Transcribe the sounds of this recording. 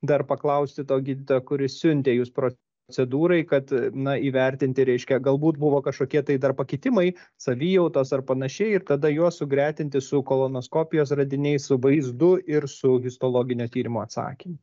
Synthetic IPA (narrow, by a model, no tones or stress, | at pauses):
d̪ɐrpɐklˠɐʊsʲt̪ʲɪt̪oːɡʲiːd̪ʲɪt̪oːkʊɾʲɪssʲʊnʲt̪ʲeːjuːspɾo | t͡s̪ʲɛd̪uːɾɐɪkɐt̪nɐiːʋʲɛɾʲt̪ʲɪnʲt̪ʲɪɾʲɛɪʃʲkʲɛɡɐlˠbuːt̪bʊʋoːkɐʃkoːkʲiɛt̪ɐɪd̪ɐrpɐkʲɪt̪ʲɪmɐɪsɐʋʲijɛʊt̪oːsɐrpɐnɐʃʲɛɪɪɾt̪ɐd̪ɐjuɔssʊɡɾʲæːt̪ʲɪnʲt̪ʲɪsʊkoːlˠonoːskoːpʲɪjoːsrɐd̪ʲɪnʲɛɪssʊʋɐɪzd̪ʊɪɾsʊɣʲɪst̪oːlˠoːɡʲɪnʲoːt̪ʲiːɾʲɪmʊɐt̪sɑ̰ːkʲimʊ